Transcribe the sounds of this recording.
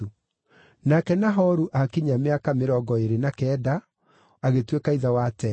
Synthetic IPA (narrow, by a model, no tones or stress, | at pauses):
u | nakɛnaɦɔɾuʔakiɲameakameɾɔɡɔeɾenakɛːda | aɣetwekaiðawatɛ